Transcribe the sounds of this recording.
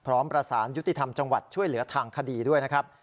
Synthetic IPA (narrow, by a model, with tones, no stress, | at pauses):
pʰɾɔː˦˥mpɾa˧saː˩˦nju˦˥t̪i˨˩t̪ʰa˧mt͡ɕa˧ŋwa˨˩t̪̚t͡ɕʰu˥˩əjlɯ˩˦ɐt̪ʰaː˧ŋkʰa˧diː˧du˥˩əjna˦˥kʰɾp̚